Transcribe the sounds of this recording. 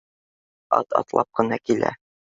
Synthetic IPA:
ɒ̰t̪ɑ̰t̪lˠɑp̚qɤ̆nɑkilæ̰

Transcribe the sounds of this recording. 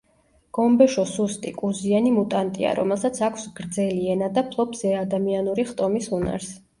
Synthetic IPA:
ɡ̥ɔmbɛʃɔsust̪ʼikʼuzianimut̪ʼant̪ʼḭa̰ɾɔ̰mɛlˠsat̪sʰakʷʰsɡ̥ɾd̪zɛliɛnad̪apʰlˠɔpʰzɛad̪amianuɾiχt̪ʼɔmisuna̰ɾs

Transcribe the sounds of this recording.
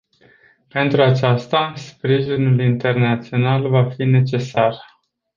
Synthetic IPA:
pe̞nt̪ɾuat͡ʃast̪aspɾiʒinulint̪e̞rnat̪sio̞nalvafine̞t͡ʃe̞sar

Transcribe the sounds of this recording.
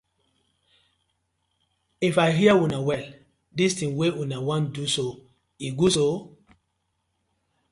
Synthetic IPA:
ifaɪɦiəwunawɛl | distĩŋwewunawãnduso | iɡuso

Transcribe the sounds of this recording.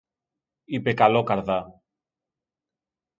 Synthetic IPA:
ipekɐlokɐɾðɐ

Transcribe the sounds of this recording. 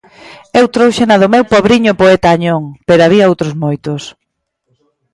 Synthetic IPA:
ewt̪ɾowʃenɐðʊmewpɔβɾiɲʊpoɛt̪aːɲoŋpeɾoaβiɐowt̪ɾozmojt̪ʊs

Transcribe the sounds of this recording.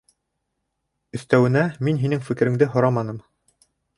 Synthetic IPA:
ɵ̆θt̪æwɘ̆næminɦinɘŋfɘ̆kɘ̆ɾɘ̆ŋd̪ɘɦŏɾɑmɑnɤm

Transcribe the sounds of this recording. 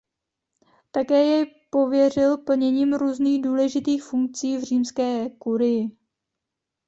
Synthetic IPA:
t̪akɛːjɛj | po̞vjɛr̝ɪlpl̩ɲɛɲiːmɾuːzniːɣduːlɛʒɪt̪iːxfuŋk̚t͡siːvr̝iːmskɛːkuɾɪjɪ

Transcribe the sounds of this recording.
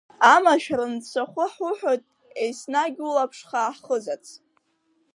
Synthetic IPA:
amaʃᶣrɨnt͡sʷʰaχʷʊħʊħᶣotʼ | ejsnaɡʲulapʰʂχaħχəzat͡sʼʰ

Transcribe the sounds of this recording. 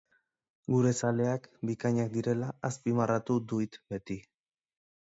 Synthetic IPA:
ɡuɾe̞sale̞akbikaɲak̚d̪iɾe̞laaspimarat̪ud̪uit̪be̞t̪i

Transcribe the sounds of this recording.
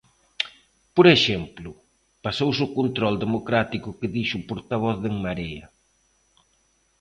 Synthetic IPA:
poɾeʃɛmplʊ | pasowsokont̪ɾɔld̪emokɾat̪ikʊkeðiʃʊpoɾt̪aβ̞ɔθðeŋmaɾeɐ̰

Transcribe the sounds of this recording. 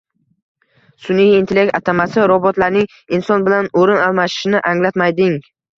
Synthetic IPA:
sʊnijint̪ʰelʲekt̪at̪ʰamasɪɾɒbɒt̪laɾnɪŋ | insɒnbɪlanoɾɪnalˠmaʃɪ̥ʃɪnɪʔaŋlat̪majd̪ɪŋ

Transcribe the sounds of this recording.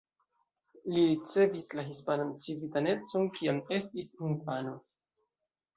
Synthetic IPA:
liɾit͡se̞vislaɦispanant͡sizitane̞t͡so̞nkiame̞stisinfano̞

